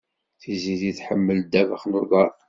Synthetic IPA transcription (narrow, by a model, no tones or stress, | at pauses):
θiziðiθħəmːəld̪ævəχnuðɑɾˤ